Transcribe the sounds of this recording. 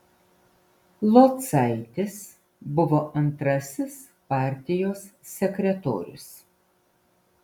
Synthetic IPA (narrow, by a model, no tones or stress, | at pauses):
lˠoːt̪sɐɪt̪ʲɪs | bʊʋoːʔɐnt̪ɾɐsʲɪs | pɑˑɾʲt̪ʲɪjoːsːʲɛkʲɾʲɛt̪o̰ːɾʲʊ̰s